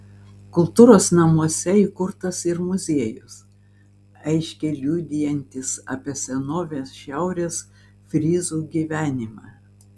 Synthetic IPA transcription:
kʊlˠt̪uːɾoːsnɐmuɔsʲɛiːˑkʊɾt̪ɐsɪɾmʊzʲiɛjʊs | ɛɪʃʲkʲɛlʲud̪ʲɪjɛnʲt̪ʲɪsɐ̰pʲiɛsʲɛnoːʋʲeːsʃʲæˑʊɾʲeːs | fʲɾʲiːzuːɡʲiːʋʲæːnʲɪmɑː

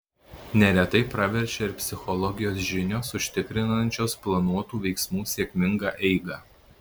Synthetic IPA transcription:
nʲɛɾʲɛt̪ɐɪpɾɐʋʲɛɾʲʃʲɛɪɾpʲsʲɪxɔlˠɔɡʲɪjoːsʒʲɪnʲoːsʊʃʲt̪ʲɪkɾʲɪnɐnʲt͡ʃʲoːsplˠɐnuɔt̪uːʋʲɛɪksmuːsʲeɛkʲmʲɪŋɡɑːʔɛɪɡɑː

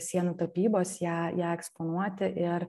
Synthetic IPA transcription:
sʲiɛnut̪opʲiːboːsjæːjæːɛkspoːnuɔt̪ʲɪʔɪɾ

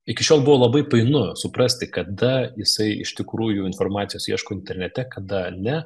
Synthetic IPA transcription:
ɪkʲɪʃʲoːlˠbʊʋoːlˠɐbɐɪpɐɪnʊsʊpɾɐsʲt̪ʲɪkɐd̪ɐjɪsɐɪɪ̰ʃʲt̪ʲɪkɾuːjʊɪnformɑːt̪ʲɪjoːsiɛʃkoːɪnʲt̪ʲɛɾʲnʲɛt̪ʲɛkɐd̪ɐnʲɛ

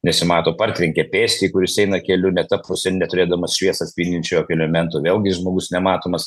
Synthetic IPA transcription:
nʲɛsʲɪmɑːt̪oːpɐɾʲt̪ʲʋʲɛŋʲkʲɛpʲeːsʲt̪ʲiːkʊɾʲɪsɛɪnɐkʲɛlʲʊnʲɛt̪ɐppʊsʲɛnʲɛt̪ʊɾʲeːd̪ɐmɐsʃʲʋʲiɛsɐt̪sʲpʲinʲd̪ʲɪnʲt͡ʃʲɛjoːkʲɛlʲɛmʲɛnt̪oːʋʲeːlˠɡʲɪʒmoːɡʊsnʲɛmɑːt̪oːmɐs

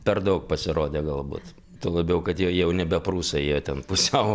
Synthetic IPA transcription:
pʲɛrd̪ɐʊk̚pɐsʲɪɾoːd̪ʲeːɡɐlˠbṵːt̪ | t̪oːlˠɐbʲɛʊkɐt̪jɛjɛʊnʲɛbʲɛpɾuːsɐjjot̪ʲɛnpʊsʲɛʊ

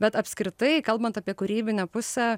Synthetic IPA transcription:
bʲɛt̪ɐpʲsʲkɾʲɪt̪ɐɪkɐlˠbɐnt̪ɑpʲiɛkʊɾʲiːbʲɪnʲɛpʊsʲæː

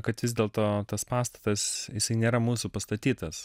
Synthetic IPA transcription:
kɐt̪ʋʲɪzʲd̪ʲeːlˠt̪oːt̪ɐspɑːst̪ɐ̥t̪ɐsjɪsɐɪnʲeːɾɐmuːsupɐst̪ɐt̪ʲiːt̪ɐs

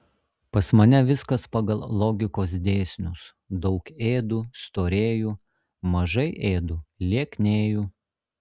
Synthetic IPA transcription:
pɐsmɐnʲɛʋʲɪskɐspɐɡɐlˠlˠɔːɡʲɪkoːs̬d̪ʲeːsʲnʲʊs | d̪ɒʊkeːd̪ust̪oːɾʲeːjuː | mɐʒɐɪʔeːd̪ulʲiɛkʲnʲeːju

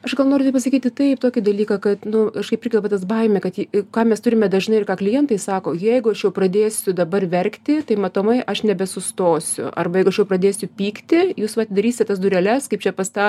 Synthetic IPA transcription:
ɐʃɡɐlˠnoːɾɪt̪ɐɪpɐsɐkʲiːt̪ʲɪt̪ɐɪpt̪oːkʲɪd̪ɐlʲiːkɑːkɐt̪nʊkɐʃkɐɪpɪɾʲɪɡʲɛlˠpʲɐt̪ɐs̬bɐɪmʲɛkɐt̪ɪkɑːmʲɛst̪ʊɾʲɪmʲɛd̪ɐʒnɐɪɪrkɑːklʲɪjɛnt̪ɐɪsɑːkoːjɛɪɡʊɐʃjɛʊprɐd̪ʲeːsʲʊd̪ɐbɐrʋʲɛɾʲkt̪ʲɪt̪ɐɪmɐt̪oːmɐɪʔɐʃnʲɛbʲɛsʊst̪oːsʲʊ̰ʔɐ̰rbɐjɛɪɡʊɐʃjɛʊprɐd̪ʲeːsʲʊpʲiːkt̪ʲɪjuːsʋɐtʲɪd̪ɐɾʲiːsʲɪt̪ʲɛt̪ɐs̬d̪ʊɾʲɛlʲɛskɐɪpt͡ʃʲɛpɐst̪ɑː

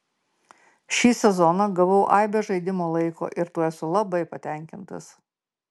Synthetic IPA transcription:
ʃʲiːsʲɛzɔnɐɡɐʋɐʊʔɐɪbʲeʒɐɪd̪ʲɪmoːlˠɐɪko̰ːʔɪɾt̪uɔɛsʊlˠɐbɐɪpɐt̪ʲɛˑŋʲkʲɪnt̪ɐ̰s

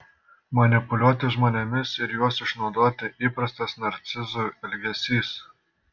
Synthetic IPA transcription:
mɐnʲɪpʊlʲuɔt̪ʲɪʒmoːnʲɛmʲɪsɪɾjuɔsɪʃnɒʊd̪oːt̪ʲɪʔiːpɾɐst̪ɐsnɐɾʲt̪sʲɪzuɛlʲɡʲɛsʲiːs

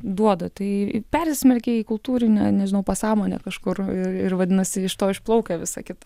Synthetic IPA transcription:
d̪uɔd̪ɐt̪ɐɪpʲɛrʲsʲɪsʲmʲɛlʲkʲeiːkʊlˠt̪uːɾʲɪnʲɛ̰nʲɛʒʲɪnɐʊpɐsɑːmoːnʲɛ̰kɐʃkʊrɪrɪrʋɐd̪ʲɪnɐsʲɪɪʃt̪oːɪʃplˠɐʊkʲɛʋʲɪsɐ̰kʲɪt̪ɐ̥

